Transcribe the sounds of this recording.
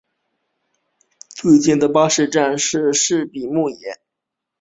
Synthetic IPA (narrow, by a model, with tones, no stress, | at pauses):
t͡swe˥˧t͡ɕɛ˥˩nd̪ə˩pa˥ʂɻ̩˥˧ʈ͡ʂa˥˧nʂɻ̩˥˧ʂɻ̩˥˩pi˨˩mu˥˩jɛ˧˥˦n